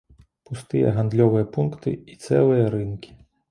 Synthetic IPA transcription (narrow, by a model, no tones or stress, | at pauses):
pust̪ɨjɛ̰ɣand̪lʲɔvɨjɐpunkt̪ɨ̰it̪sɛlˠɨjɐɾɨnkʲi̥